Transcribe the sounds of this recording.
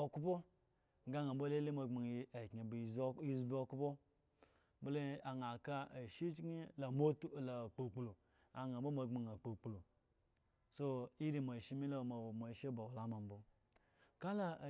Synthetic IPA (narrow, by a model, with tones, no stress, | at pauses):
o˨ku˦bo˦ | ɡa˦ŋa˨m̩˦bo˦le˦le˦ma˧ŋ͡ma˨ŋi˦a˨ki˨bi˦zbo˦ku˦bo˦ | bla˨ŋa˨ka˦a˨ʃi˦t͡ʃɡi˦la˨mo˦tla˨k͡po˨k͡plo˨ | a̰˨ŋa˨bo˦ma˧ŋ͡ma˨ŋa˨k͡po˨k͡plo˨ | so˦i˦ɾi˦ma˨ʃi˦mi˦la˦˨ma˨wma˨ʃe˦ba˨wo˨la˦ma˨m˦bo˦ | ka˦la˦˨